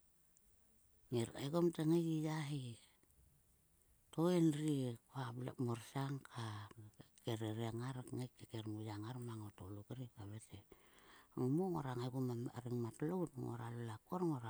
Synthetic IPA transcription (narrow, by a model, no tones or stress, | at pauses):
ŋeɾa̰jɡomteŋekijaɦi | toenɾikoabla̰moɾsaŋkʰa | keɾeɾiaŋaɾŋakːekeɾmujaŋaɾmaŋotolokeɾikaβete | ŋumoŋoɾaŋajɡomaaɾiŋmatlowtŋo̰ɾalelakoɾŋoɾa